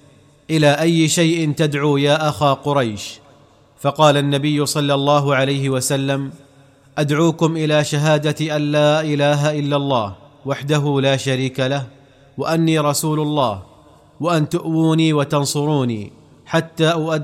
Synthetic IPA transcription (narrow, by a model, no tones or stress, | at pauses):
ʔɪlaːʔajːɪʃajʔɪnt̪ad̪ʕuːjaːʔaxaːqʊɾˤɑjʃ | fɑqɑːlanːabɪjːʊsˤɑlːɑlˤːɑːɦʊʕalajɦɪwasalːam | ʔad̪ʕuːkʊmʔɪlaːʃaɦaːd̪at̪ʔanlaːʔɪlaːɦaʔɪlːalˤːɑːhwaħd̪aɦuːlaːʃaɾiːkalah | waʔanːiːɾˤɑsuːlʊlˤːɑːh | waʔant̪ʊʔwuːniːwat̪ɑnsˤʊɾuːniː | ħat̪ːaːʔʊʔa